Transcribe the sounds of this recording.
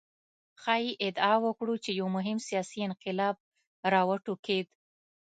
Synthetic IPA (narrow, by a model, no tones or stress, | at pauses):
xɑjiʔɪd̪ɑwəkɽut͡ʃejawmʊɦɪmsijɑsiɪnqɪlɑb̚ | ɾɑwəʈuked̪